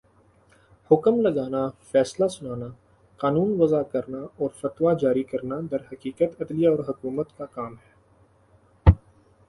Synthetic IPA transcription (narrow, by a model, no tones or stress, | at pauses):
hʊkmlɐɡaːnafɛːslasʊnaːna | qaːnuːnʋɐzakɐɾnaɔːɾfɐt̪wad͡ʒaːɾikɐɾnad̪ɐɾɦɐkiːqət̪ɐd̪lijaɔːɾɦʊkuːmət̪kakaːmɦɛː